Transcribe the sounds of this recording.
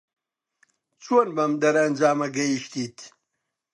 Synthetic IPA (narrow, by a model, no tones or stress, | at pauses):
t͡sʰonbɐmd̪ɐɾɐnd͡ʒaːmɐɡɐjiʃt̪iːt̪ʰ